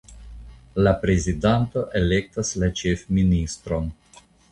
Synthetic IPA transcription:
lapɾe̞zidanto̞ʔe̞le̞k̚taslat͡ʃe̞fministɾo̞n

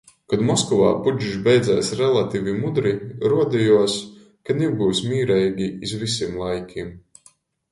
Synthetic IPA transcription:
kad̪mɔskɔva̰ːpud͡ʒiʃ̬bʲɛjd̪zɛːsɾɛlˠat̪iːvʲimud̪ɾiɾuɔd̪ijuɔs | kanɛbuːsmʲiːɾɛjɡʲiːzvisʲimlˠajkʲim

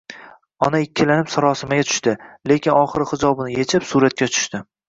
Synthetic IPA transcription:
ɒnaɪkʲʰːɪlanɪpsaɾɒsɪmaɡʲat͡ʃ̪ʰʊ̥ʃt̪ɪle̞kʲɪnɒχɨɾɪhɪd͡ʒɒbɪnɪjet͡ʃʰɪpsuɾat̪̚kʲat͡ʃ̪ʰʊ̥ʃt̪ɪ

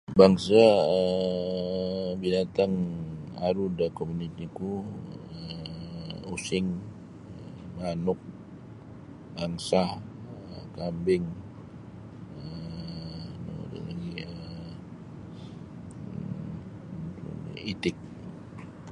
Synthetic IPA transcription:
baŋsaə | binat̪aŋaɾudakomunit̪ikuə | usɪŋ | manʊk̚ | baŋsah | əkambɪŋ | ə | no̰da̰laɡiə | t̪ṵit̪ɪk̚

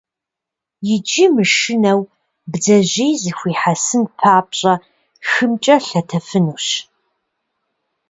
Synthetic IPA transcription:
jɪd͡ʒʼimɨʃɨnɐw | bd͡zɐʑejzɨxʷiːħasɨnpʰaːpɕʼɐ | xɨmt͡ʃʼɐɬɐtʰɐfɨnuːɕ

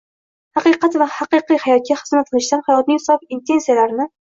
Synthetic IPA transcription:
hɑqɨqɑt̪vahaqɨqɨjhajɒt̪̚kʲaχɨz̥mat̪̚qʰɨlˠɪʃd̪anhajɒt̪̚nɪŋhsɒpint̪ʰe̞nsijalaɾɪnɪ

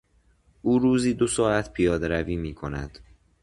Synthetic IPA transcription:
ʔuːɾuːziːd̪osɒːæt̪ʰpʰijɒːd̪eɾæviːmiːkʰo̞næ̰d̪̥

